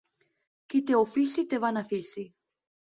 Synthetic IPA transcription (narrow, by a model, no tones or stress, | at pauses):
kit̪eofisit̪evanafisi